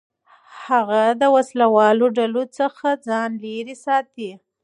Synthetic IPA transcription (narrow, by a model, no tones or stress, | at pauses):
haɣad̪əwaslawɑloɖalot͡səxad͡zɑnleɾisɑt̪i